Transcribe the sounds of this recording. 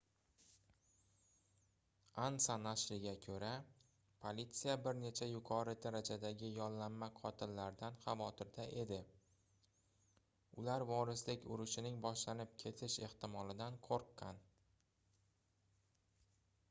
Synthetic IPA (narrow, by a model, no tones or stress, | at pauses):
ansanaʃlɪɡʲakʲʰɵɾa | pʰolit̪sijabɪɾne̞t͡ʃʰajʊqʰɒɾɪd̪aɾad͡ʒad̪aɡʲɪjɒnlamːaqʰɒt̪ʰɪnlaɾd̪anχɑvɒt̪ʰɪɾd̪aʔe̞d̪ɪ | ʊlaɾvɒɾɪslɪkʲʊɾʊʃɪnɪŋbɒʃlanɪp̚kʲʰe̞t̪ʰɪʃe̞ht̪ɪmɒlɪd̪anqʰoɾqːɑn